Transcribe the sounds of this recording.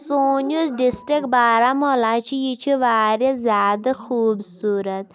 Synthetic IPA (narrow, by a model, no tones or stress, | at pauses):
soːnuzɖisʈɾikbaːɾamoːlãːt͡ʃʰijit͡ʃʰiʋaːɾezʲjaːd̪ɐxuːbsuːɾɐt̪